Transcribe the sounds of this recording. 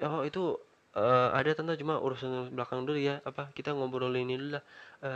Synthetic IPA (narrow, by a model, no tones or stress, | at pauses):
ɔit̪u | əa̰dat̪ant̪at͡ʃumaʔṵɾusanbəlakaŋduɾijaapakit̪aŋombɔɾolinilulahə